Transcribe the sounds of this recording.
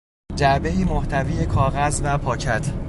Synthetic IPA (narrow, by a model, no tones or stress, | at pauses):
d͡ʒæbe̞iːmoht̪ʰæviːjekʰɒːɣæzvæpʰɒːcʰæt̪ʰ